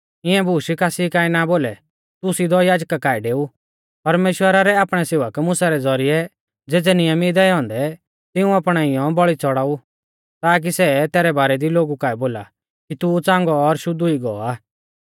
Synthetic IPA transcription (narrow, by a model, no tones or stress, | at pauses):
ɪɛ̃buːʃikaːsikaːinaboːlɛ̰ | t̪ʊsid̪ɔjaːd͡ʒkakaːɛɖeːu | pɐɾmeːʃwəɾaɾɛaːpɽ̃ɛseːʋəkmʊsaɾɛd͡zɔɾiɛ | d͡zeːd͡zɛnɪjəmid̪ɛɛɦɔ̃nd̪ɛ | t̪ɪũaːpɽ̃aɪjɔ̃bɔɭit͡sɔɽaːu | t̪aːk̬isɛt̪ɛːɾɛbaːɾɛd̪iloːɡukaːiboːla̰ | kit̪ut͡sãːŋɡɔːɾʃʊd̪uiɡɔ̰aː